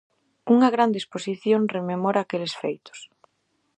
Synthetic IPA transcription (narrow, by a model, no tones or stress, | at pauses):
uŋaɣɾand̪esposiθjoŋrememɔɾaːkelesfḛjt̪ʊ̥s